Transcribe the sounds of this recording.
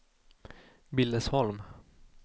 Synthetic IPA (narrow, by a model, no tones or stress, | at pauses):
bɪld̪əshɔlm